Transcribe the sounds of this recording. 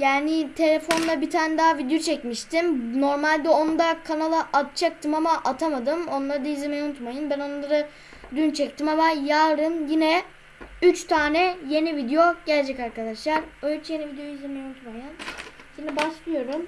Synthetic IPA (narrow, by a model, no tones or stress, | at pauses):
jaːnɪt̪ʰe̞lʲefo̞nd̪ˠabit̪ʰaːnɛd̪aːvid̪ejot͡ʃʰɛcmiʃt̪ʰimno̞ɾmalʲd̪ɛo̞nd̪akʰanalˠaʔat̪̚t͡ʃʰak̚t̪ʰɯmamaʔat̪ʰamad̪ɯmo̞nlˠaɾɯd̪aizlʲemejɛunut̪majɯnbæno̞nlˠaɾɯ | d̪ynt͡ʃʰɛc̚t̪imamajaːɾɯmjinɛ | yt͡ʃt̪ʰaːnɛje̞nivid̪ejo̞ɟælʲd͡ʒɛcaɾkad̪aʃlˠaɾøjt͡ʃʰɛje̞nivid̪ejooizʲemejɛunut̪majɯn | ʃimd̪ibaʃlˠɯjo̞ɾum